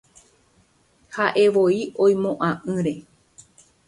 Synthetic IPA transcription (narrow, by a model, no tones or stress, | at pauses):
haʔe̞ʋo̞iõ̞j̃mõʔãʔɨ̃ɾe̞